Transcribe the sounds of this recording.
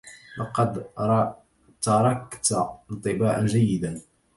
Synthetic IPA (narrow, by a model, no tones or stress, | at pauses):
lɑqɑd̪ɾ | t̪ɑɾˤɑkt̪nt̪ˤɨbaːʕanʒajːɪd̪an